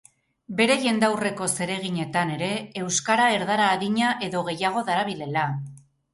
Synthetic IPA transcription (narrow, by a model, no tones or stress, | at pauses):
be̞ɾe̞ʝe̞nd̪awre̞ko̞se̞ɾe̞ɣ̞iɲe̞t̪ane̞ɾe̞ːwskaɾae̞ɾðaɾaːðiɲaʔe̞ðo̞ɣ̞e̞jaɣ̞o̞ðaɾaβile̞la